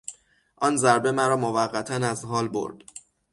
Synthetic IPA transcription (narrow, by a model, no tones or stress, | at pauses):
ʔɒːnzæɾbe̞mæɾɒːmovæɢːæt̪ʰænæzɦɒːlbo̰ɾd̪̥